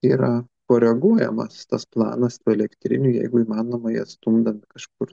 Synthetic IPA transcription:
iːɾɐ | koːɾʲɛɛɡuɔjɛ̰mɐ̰st̪ɐsplˠɑ̰ːnɐst̪uːɛlʲɛkt̪ʲɾʲɪ̰nʲuːjɛ̰ɪɡʊiːmɑːnoːmɐjɛ̰st̪umd̪ɐmʲɪkɐʃkʊr

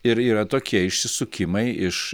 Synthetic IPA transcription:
ɪɾiːɾɐt̪oːkʲiɛɪʃʲsʲɪsʊkʲɪmɐɪʔɪʃ

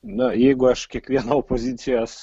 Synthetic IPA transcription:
nɐjɛɪɡʊɐʃkʲiɛkʋʲiɛnaopozʲiːt̪sʲɪjas

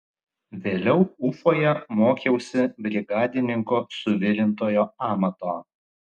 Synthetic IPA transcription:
ʋʲeːlʲɛʊʊfoːjɛmoːkʲɛʊsʲɪbʲɾʲɪɡɑːd̪ʲɪnʲɪŋkoːsʊʋʲɪlʲɪnt̪oːjoːɑːmɐt̪oː

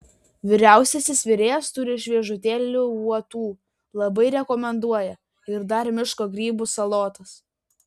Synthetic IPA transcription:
ʋʲɪɾʲæˑʊsʲɛsʲɪsʲʋʲɪɾʲeːjɛst̪ʊɾʲɪʃʲʋʲiɛʒʊt̪ʲeːlʲʊuɔt̪uː | lˠɐbɐɪɾʲɛkɔmʲɛnd̪uɔjɛ | ɪɾd̪ɐɾmʲɪʃkoːɡɾʲiːbusɐlˠoːt̪ɐs

